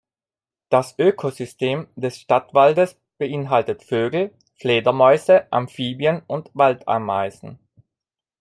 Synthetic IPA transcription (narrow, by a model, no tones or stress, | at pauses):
d̥asʔøːkʰozʏsteːmdɛsʃtatv̥aldəs | b̥əʔɪnɦaltətføːɡl̩ | fleːdɐmɔʏzəʔa̰mfiːbjənʊntv̥alta̰ːɐmaɪzn̩